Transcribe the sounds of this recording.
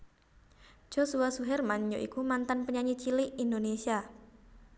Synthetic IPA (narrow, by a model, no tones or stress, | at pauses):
ʒ̥osuasuɦɛrmaɲɲoʔḭkumant̪anpəɲaɲit͡ʃiliindonesia